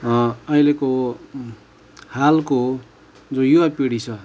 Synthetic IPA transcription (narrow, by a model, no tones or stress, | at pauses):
ʌjleko | halko | d͡zõjuwapiɽit͡sʰʌ